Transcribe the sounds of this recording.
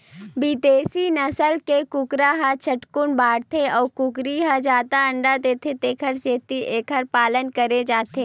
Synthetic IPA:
biːt̪eːsinɐsəlkekʊkɾaɦat͡ʃʰɐʈkʊnbaːɽt̪ʰeɔːɾkʊkɾiɦad͡ʒaːt̪aɐ̃ɳɖad̪eːt̪ʰet̪eːkʰəɾseːt̪iʔeːkʰəɾpaːlənkəɾed͡ʒaːt̪ʰeː

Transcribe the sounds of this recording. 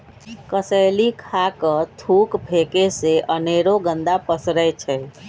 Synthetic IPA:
kəsəlikʰakət̪ʰukbʱekeseʔəneɾoɡənd̪apəsɾət͡ʃʰɛ

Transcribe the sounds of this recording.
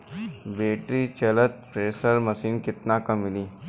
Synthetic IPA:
beːʈɾit͡ʃɐlət̪̚pɾeːsəɾmɐsiːnkɪt̪nakɐmːɪliː

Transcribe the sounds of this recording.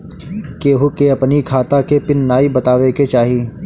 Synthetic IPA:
keːɦokeɐpnikʰaːt̪akepɪnːaːibɐt̪aːʋeket͡ʃaːɦiː

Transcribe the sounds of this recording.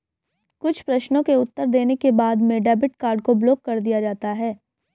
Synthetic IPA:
kʊt͡ʃʰpɾɐʃnõkeʊt̪ːəɾd̪eːnekebaːd̪mẽɖɛːbɪʈkaːɾɖ̚kobloːkːɐɾd̪ijad͡ʒaːt̪aɦɛː

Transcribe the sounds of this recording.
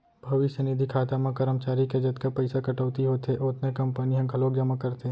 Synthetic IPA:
bʱɐʋɪʃjənɪd̪ʱikʰaːt̪amãkɐɾəmt͡ʃaːɾiked͡ʒɐt̪kapɐɪsakɐʈəʋt̪iɦoːt̪eʔot̪nekɐ̃mpəniɦɐ̃kʰɐloːkd͡ʒɐmakɐɾt̪ʰe

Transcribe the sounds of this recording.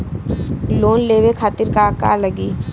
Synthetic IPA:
loːnleːwekʰaːt̪ɪɾkaka̰ləɡiː

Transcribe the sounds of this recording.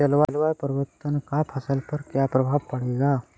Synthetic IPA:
t͡ʃɐlʋalʋajpəɾʋət̪ːənkapʰɐsəlpɐɾkjapɾɐbʱaːbpɐɽ̤eɡa

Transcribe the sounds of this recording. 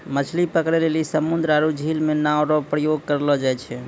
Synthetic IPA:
mət͡ʃʰlipəkɾelelisəmund̪ɾaɾud͡ʒʱilmenaoɾɔpɾəjoɡ̚kəɾlɔd͡ʒajt͡ʃʰɛ

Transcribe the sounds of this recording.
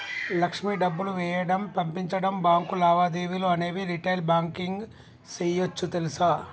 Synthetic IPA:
lɐkʂmiːɖɐbːuluʋɛːjɐɽɐmpɐmpiɲt͡ʃɐɽɐmbaːŋkulaːʋaːd̪iːʋiluɐne̞ːʋiɾiʈɐjlbaːŋkiŋɡ | sɛːjot͡ʃːut̪elusaː

